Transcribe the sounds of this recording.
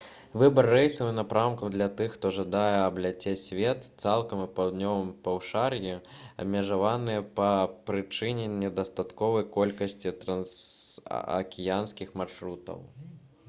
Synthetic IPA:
vɨbɐrːɛjsɐvɨnapɾawmkɐmd̪lʲat̪ɨxːt̪ɔʐad̪ajɛɐblʲat͡sʲesʲvʲɛt̪t̪salˠkɐmɨpawd̪nʲɔvɨmpɐwʂarji | ɐ̰bʲmʲɪʐavanɨjɛpɐpɾɨt͡ʂɨnʲɛnʲɛd̪ɐst̪at̪kɔvɐjkɔlʲkɐsʲt͡sʲit̪ɾɐns | ɐ̰kʲɛjanskʲixmarʂɾut̪ɐ̰w

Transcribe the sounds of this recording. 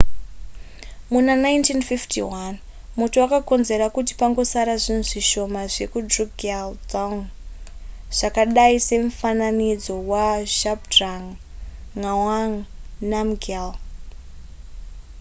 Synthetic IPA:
munanaintinfiftʰḭwan | mutuwakako̞nze̞ɾakuti̥paŋɡo̞saɾaʐinuʐiʃo̞maʐe̞kudruɡaldaun | ʐ̥akaɗaise̞ɱufananid͡zo̞waʃapdraŋŋawaŋnamɡal

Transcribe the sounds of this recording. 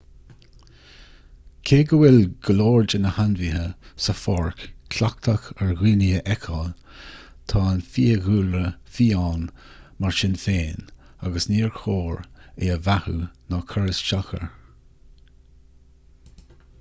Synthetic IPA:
kʰeːɡəwɪlɡ̥əloːɹd͡ʒənəhanvihəsəfɔɹkkʰlak̚t̪ʰaxəɹɣiːniəʔɛkʰɔl | t̪ʰɑːnfiːəɣuːlɾəfiːaːnmaɹʃɪnfeːn | aɡəsniːɹxʰoːɹeːəvahṵnɔkʰəɹəsʃaxə̰ɹ

